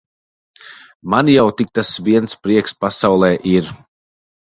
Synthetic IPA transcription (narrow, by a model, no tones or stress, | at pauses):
manjawt̪ik̚t̪asviɛnspɾiɛkspasawlˠɛːʔiɾ